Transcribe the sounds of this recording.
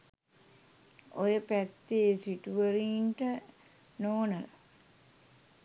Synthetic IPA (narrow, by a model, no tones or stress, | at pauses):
ojəpæt̪ːesiʈuʋəɾiːnʈə | noːnəla̰